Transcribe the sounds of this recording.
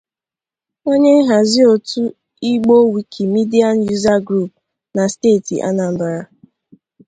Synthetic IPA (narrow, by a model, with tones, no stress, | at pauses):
o˦ɲe˦ɦa˨zi˦o˨tu˦ | i˦ɡ͡bo˦wi˨kʰi˨mi˦di˦a˦n̩˦ju˦za˦ɡɾu˦˨p̚ | na˨steː˦˨tḭ˨ʔa̰˦na˨n̩˦ba˨ɾa˨